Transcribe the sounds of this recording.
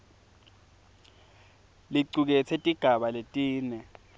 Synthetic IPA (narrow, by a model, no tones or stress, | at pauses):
liǀuk̬ɛt͡sʰɛtʼiɡ̥ʱaɓaletʼiːnɛ